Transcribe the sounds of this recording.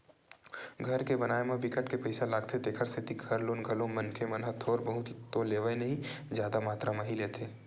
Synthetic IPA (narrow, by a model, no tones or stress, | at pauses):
ɡʱɐɾkebɐnaːemẽbɪkəʈkepɐɪsalaːɡ̚t̪ʰed̪eːkʰəɾsʰɪt̪ikʰɐɾloːnɡʱɐlõmɐnkʰemɐnɦɐt̪ʰɔːɾbɐɦʊt̪t̪oleːʋənɐɦĩ | zjaːd̪amaːt̪ɾamɐɦileːt̪ʰeː